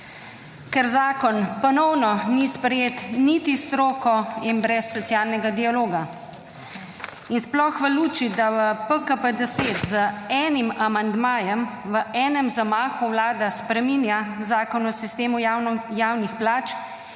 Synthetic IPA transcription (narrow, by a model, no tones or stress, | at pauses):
kɛɾzaːkɔnpɔnɔwnɔnispɾɛjeːt̪nit̪ist̪ɾoːkɔinbɾɛsːɔt̪sjaːlnɛɡad̪ialoːɡa | insplɔxʋəluːt͡ʃid̪aʋəpəkəpəd̪ɛseːt̪zəɛːnimamand̪maːjɛmʋəʔɛːnɛmzamaːxuwlaːd̪aspɾɛminjazaːkɔnɔsist̪eːmujaːwnixplaːt͡ʃ